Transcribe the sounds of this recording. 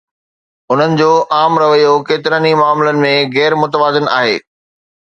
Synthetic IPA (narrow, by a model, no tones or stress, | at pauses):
ʊn̤ənɪ̆d͡ʑoːʔaːmɾɐʋəjokeːt̪ɪɾaːnimaːmlənɪ̆mẽɣɛːɾmʊt̪əʋaːd̪ɪna̰ːɦḛː